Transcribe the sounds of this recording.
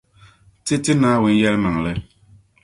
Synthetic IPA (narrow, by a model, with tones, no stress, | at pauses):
tɪ˦tɪ˦naː˦wʊ˨n˦jɛ˦lma˨ŋ˨lɨ˦